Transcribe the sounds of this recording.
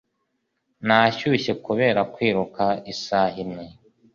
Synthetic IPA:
naʃuʃe̞kuβe̞ɾakwiːɾukaisahimɲe

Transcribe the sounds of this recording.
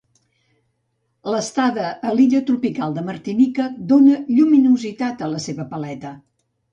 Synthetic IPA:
ləst̪aðəʔːliʎət̪ɾupikalˠd̪əmərt̪inikəd̪onəʎuminuzit̪at̪ələseβəpəlɛt̪ə

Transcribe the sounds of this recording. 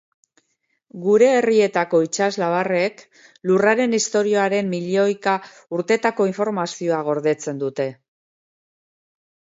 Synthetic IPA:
ɡuɾe̞ːrie̞t̪ako̞it͡ʃazlaβare̞k | luraɾe̞nist̪o̞ɾio̞aɾe̞mːiʎo̞jka | uɾt̪e̞t̪ako̞iɱfo̞ɾmasio̞aɣ̞o̞ɾðe̞t͡se̞nd̪ut̪e̞

